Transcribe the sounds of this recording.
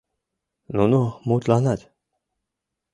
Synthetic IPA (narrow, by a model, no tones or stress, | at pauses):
nunumut̪lanat̪